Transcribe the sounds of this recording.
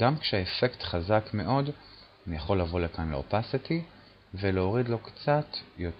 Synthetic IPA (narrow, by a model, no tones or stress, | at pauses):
ɡamkʃeaefe̞ktχazakme̞ʔo̞d | anijaχo̞lːavo̞lekanlḛo̰pasiti | veleoʁidlo̞kt͡satjo̞t